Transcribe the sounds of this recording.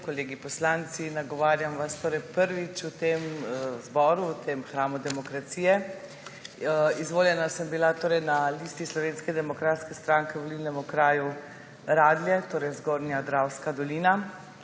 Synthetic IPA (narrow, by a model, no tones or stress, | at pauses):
kɔleːɡipɔslant̪sinaɡɔʋaːɾjamʋast̪oːɾɛjpəɾʋit͡ʃut̪emzbɔːɾuwt̪emxɾaːmud̪ɛmɔkɾat̪siːjɛ | izʋoːljɛnasəmbilat̪oːɾɛjnaliːst̪islɔʋeːnskɛd̪ɛmɔkɾaːt̪skɛst̪ɾaːŋkɛʋɔliːlnɛmukɾaːju | ɾaːd̪lʲjɛt̪oːɾɛjzɡoːɾnjad̪ɾawskad̪ɔliːna